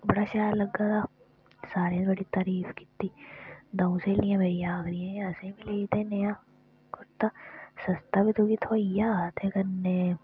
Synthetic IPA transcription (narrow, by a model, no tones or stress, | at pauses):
bɐɽaʃaːllɐɡːat̪ʰa | saːɾẽbɐɽit̪aːɾiːfki̥t̪ːid̪ɐ̃ũselijãbʱɐijaːɡɾiẽɐsẽmileːit̪eneja | kʊɾt̪ːasɐst̪abit̪uɡit̪ʰoːjat̪ʰekɐnːe